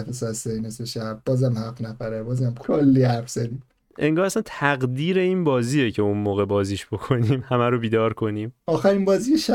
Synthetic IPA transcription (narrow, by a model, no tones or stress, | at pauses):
fesɒæsejneseʃæbbɒːzæmhæfnæfæɾebɒːzæmkʰolːiːhæɾfz̥æd̪iːm | ʔe̞ŋɡɒːɾæsænt̪ʰæɣd̪iːɾe̞iːnbɒːziːjecʰeunmoːɣe̞bɒːziːʃb̥o̞kʰo̞niːmhæmæɾobiːd̪ɒːɾkʰo̞niːmɒːxæɾimbɒːzijeʃæ